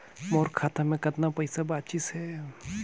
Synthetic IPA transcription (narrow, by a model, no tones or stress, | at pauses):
moːɾkʰaːt̪amẽkɐt̪napɐɪsabaːt̪̚t͡ʃɪsɦɛː